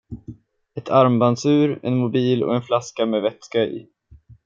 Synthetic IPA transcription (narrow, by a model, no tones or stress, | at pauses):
ɛt̪ʰaɾmbansʉ̟ːɾɛ̰nmʊbiːlɔ̰ɛnflaskamɛːvɛt̪skaɪ̰